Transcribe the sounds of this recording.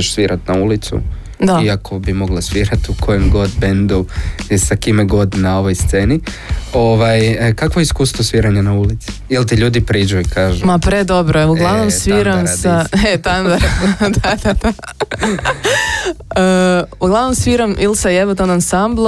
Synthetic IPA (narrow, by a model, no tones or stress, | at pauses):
eʃsʋiːɾʔat̪naulit̪sṵ | d̪aiakʰobimo̞ɡlˠasʋiːɾat̪ukʰojemɡo̞d̪bend̪usakimeɡo̞d̪nao̞ʋojst̪se̞ni | oʋajkakʋoeiskuːst̪ʋosʋiɾaɲanaulit̪si̥jilt̪iʎuːd̪ipɾiːd͡ʒuikaːʒumapɾed̪o̞bɾoeuɡlˠaʋnomsʋiːɾamsaet̪and̪aɾd̪ad̪̥ad̪a | əuɡlˠaʋnomsʋiɾamilsajeʋot̪onansamblˠ